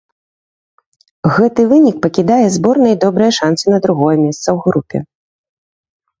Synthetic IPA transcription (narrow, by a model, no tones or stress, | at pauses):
ɣɛt̪ɨvɨnʲik̚pɐkʲid̪ajɛzbɔrnɐid̪ɔbɾɐjɐʂansɨnɐd̪ɾuɣɔjɐmʲɛst̪sɐwɣɾupʲɛ̰